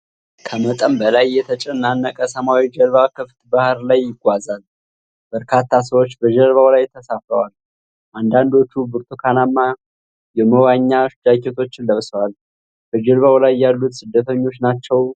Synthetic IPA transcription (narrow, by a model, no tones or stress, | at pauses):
kʰəmət̪ʼəmbəlajːɛt̪ʰət͡ʃʼɛnːanːəkʼəsəmawid͡ʒəlβakʰɨft̪bahɾlajːɪɡʷazal | b̥əɾkʰat̪ʰːas̬əwo̞t͡ʃːbəd͡ʒəlβawlajt̪ʰːəsafɾəwal | ʔand̪and̪o̞t͡ʃːubɨɾt̪ʰukʰanamːa | jɛməwaɲːaʃɪd̪aket̪ʰo̞t͡ʃːɪnləβsəwal | b̥əd͡ʒəlβawlajːalːut̪sɨd̪ːət̪ʰəɲːo̞t͡ʃːnat͡ʃːɛw